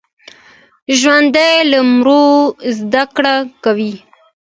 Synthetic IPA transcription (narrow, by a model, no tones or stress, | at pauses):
ʒwand̪ajlamɾozd̪akɽakawi